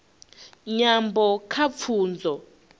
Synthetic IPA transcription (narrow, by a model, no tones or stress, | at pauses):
ɲambɔkʰap̪fʰuːnd͡zɔ